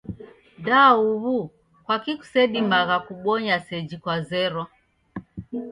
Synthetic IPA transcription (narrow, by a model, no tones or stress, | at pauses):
dauβu | kwakiku̥sɛɗimaɣakuɓɔɲasɛd͡ʒikwazɛɾɔ